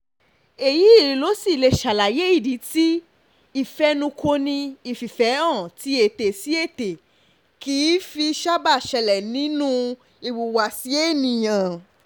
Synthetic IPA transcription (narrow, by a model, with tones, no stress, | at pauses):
e˨ji˨˦i˦˨ɾĩ˨˧˦lo˨˦si˦˨le˧ʃa˨la˨je˨˦i˦˨di˨˦ti˦ | i˦˨fɛ˧˦nũ˧kʰo˧nĩ˧i˧˨fi˨fɛ˨˦ɔ̃˦˨ti˨˦e˨te˨si˨˦e˦˨te˨ | kiː˨˦fi˧ʃa˦ba˦˨ʃɛ˧lɛ˨nĩ˨˦nũ˦ | i˨wu˨wa˨si˨˦e˦˨nĩ˨jã˨